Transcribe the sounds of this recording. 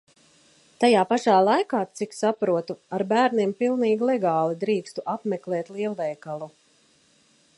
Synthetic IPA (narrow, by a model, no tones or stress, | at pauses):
t̪ajaːpaʃaːlˠajkaːt̪siksapɾuɔt̪uaɾbæːɾniɛmpilˠniːɡlˠɛɡaːlˠid̪ɾiːkst̪uʔapmɛklˠɛːt̪lˠiɛlˠvɛjkalˠu